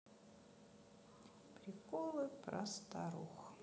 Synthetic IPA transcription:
pɾʲɪkɔlˠɨpɾɐ̰st̪aɾṵx

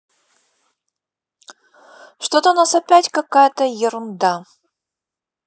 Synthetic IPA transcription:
ʂt̪ot̪ənasɐpʲætʲkɐkajət̪əjɪɾʊnd̪a

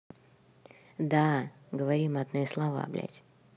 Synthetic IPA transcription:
d̪a | ɡəvɐɾʲimad̪nɨjəslˠɐva̰blʲæ̰tʲ

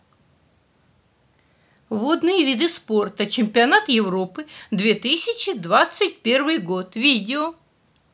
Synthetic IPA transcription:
vod̪nɨjəvʲid̪ɨsport̪ət͡ɕɪmʲpʲɪɐnat̪jɪvɾo̞pɨd̪vʲe̞t̪ɨsʲɪt͡ɕɪd̪vat̪sɨt̚ʲpʲe̞rvɨjɡot̪vʲidʲɪo

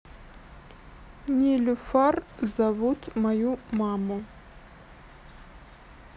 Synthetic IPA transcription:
nʲilʲufarzavut̪mɐjumamu

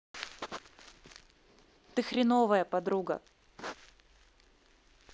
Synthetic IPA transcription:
t̪ɨxɾʲɪnovəjəpɐd̪ɾuɡə̰

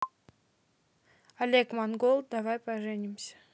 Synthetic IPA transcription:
ɐlʲekmanɡolˠd̪avajpɐʐɛnʲɪmsʲə̥

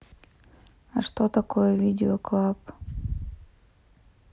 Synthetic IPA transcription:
ɐ̰ʂt̪ot̪ɐkojəvʲidʲɪoklˠap

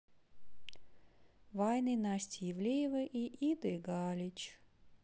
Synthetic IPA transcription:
vajnɨnasʲtʲɪjɪvlʲejɪvɨʔiʔid̪ɨɡalʲɪt͡ɕ

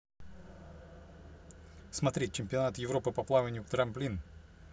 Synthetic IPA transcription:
smɐt̪ɾʲet͡ɕːɪmʲpʲɪɐnat̪jɪvɾo̞pɨpɐplˠavənʲjʊt̪ɾɐmplʲin

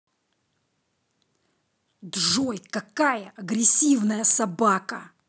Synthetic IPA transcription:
d̪ʐojkɐkajəʔɐɡɾʲɪsʲivnəjəsɐbakə̰

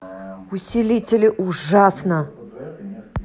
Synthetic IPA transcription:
usʲilʲitʲelʲɪʔuʐasnə

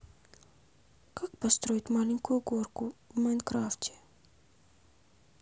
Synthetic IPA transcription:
kakpɐst̪ɾoːit̪maːliŋkujuɡoːɾkʊmajnkɾaːftʲe̥

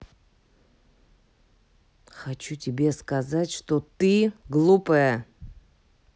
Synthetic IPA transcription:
xɐt͡ɕutʲɪbʲe̞skɐzatʲʂt̪ot̪ɨɡlˠupəjə

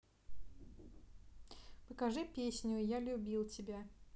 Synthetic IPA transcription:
pəkɐʐɨpʲesʲnʲʊjalʲʊbʲilˠtʲɪbʲa

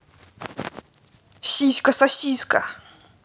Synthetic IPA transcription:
ɕiskasaɕiska̰

